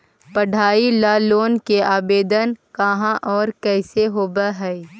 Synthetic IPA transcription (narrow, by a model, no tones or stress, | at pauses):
pɐɽʱaːilaːloːnkeʔaːbeːd̪ənkɐɦãʔɔːɾkɛːseɦoːbaɦɛː